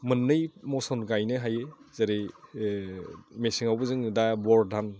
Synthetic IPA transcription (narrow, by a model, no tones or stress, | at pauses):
mɯnːɯjmɔsɔnɡajnɯɦajezaɾej | mesiŋawbɯzɯŋdabɔɾdʱan